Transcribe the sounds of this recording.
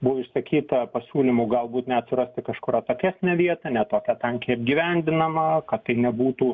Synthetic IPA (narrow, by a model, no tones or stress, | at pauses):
bʊʋɪʃsɐkʲiːt̪ɐpɐsʲuːlʲimuːɡɐlˠbuːt̪nʲɛɐt̪ʲsʲɪɾɐsʲt̪ʲɪkɐʃkʊɾɐt̪oːkʲæːsʲnʲɛʋʲiɛt̪ɐnʲɛt̪oːkʲɛt̪ɐŋkʲiɛɐb̚ʲɡʲiːʋʲɛnʲd̪ʲɪnɐmɐkɐt̪t̪ɐɪnʲɛbuːt̪uː